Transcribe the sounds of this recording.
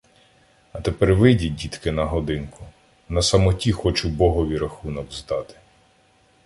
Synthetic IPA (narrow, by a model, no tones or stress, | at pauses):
ɐt̪epɛrʋɪdʲidʲit̪kɪnɐɦɔd̪ɪnkʊ | nɐsɐmɔtʲixɔt͡ʃʊbɔɦɔʋʲiɾɐxunɔkzd̪ɑt̪ɪ̥